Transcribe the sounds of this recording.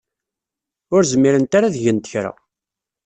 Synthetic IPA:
ʊɾzəmːiɾənt̪aɾaðʝənt̪ə̥çɾa̰

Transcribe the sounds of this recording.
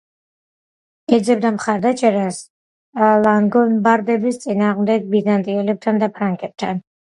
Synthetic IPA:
ɛd̪zɛb̚d̪amχaɾd̪at͡ʃʼɛɾas | lˠaŋɡɔnbaɾd̪ɛbist̪sʼinaːʁmd̪ɛɡ̚bizant̪ʼiɛlɛb̚t̪ʰand̪apʰɾaŋkʼɛb̚t̪ʰan

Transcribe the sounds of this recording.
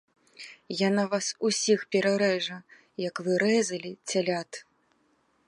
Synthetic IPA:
janavasusʲixpʲɛɾaɾɛʐɐ | jɐkvɨɾɛzɐlʲit͡sʲalʲat̪

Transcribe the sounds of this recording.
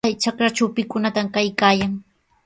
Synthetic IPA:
ajt͡ʃakɾat͡ʃawpɪkʊnat̪amkajkaːjaŋ

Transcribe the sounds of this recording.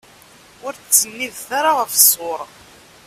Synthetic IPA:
ʊɾt͡sːənːiðθaɾaʁəfsˤoɾˤ

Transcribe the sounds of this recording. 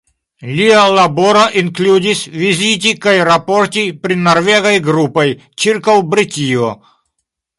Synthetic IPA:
lʲiɐlˠɐboɾɐʔɪnklʲudʲisʲvʲizʲit̬ʲikɐjɾɐportʲipɾʲinɐrvʲeɣɐjɡɾupɐj | t͡ʃirkɐwbɾɨtʲijɔ

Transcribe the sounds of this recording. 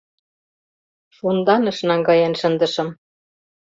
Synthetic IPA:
ʃund̪ɑnə̆ʃnɑŋɡɑjenʃənd̪ə̆ʃɤ̆m

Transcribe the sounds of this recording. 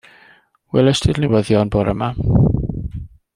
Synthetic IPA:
wɛlˠəstʰɪdnɪwəðjɔnboːɾəma

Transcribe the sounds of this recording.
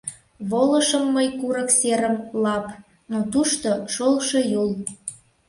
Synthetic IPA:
βoləʃəmːəjkuɾəkseɾəmlɑp | not̪uʃt̪oʃolˠʃejul

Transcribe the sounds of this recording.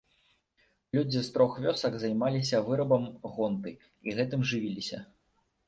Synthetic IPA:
lʲud͡zʲist̪ɾɔxvʲɔsɐɡzɐjmalʲisʲɐvɨɾɐbɐmɣɔnt̪ɨ | iɣɛt̪ɨmʐɨvʲilʲisʲɐ̰

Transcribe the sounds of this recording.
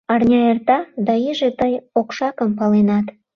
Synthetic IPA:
ɑrnʲɑert̪ɑd̪ɑiʒet̪əjokʃɑkəmpɑlenɑt̪

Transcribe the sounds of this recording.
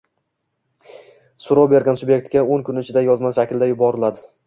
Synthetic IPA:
sʊɾowbe̞ɾɡʲansʊbjek̚ʲt̪ɡʲaoŋkʰʊnɪt͡ʃʰɪd̪ajɒzmasʃakʲʰɪld̪ajʊbɒɾɪlad̪ɪ

